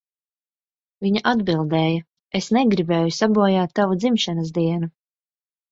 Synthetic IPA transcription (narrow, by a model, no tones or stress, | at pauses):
viɲaʔad̪bilˠd̪ɛːjɐ | esnɛɡɾibɛːjusabuɔjaːt̪ːavud̪zimʃanɐz̬d̪iɛnu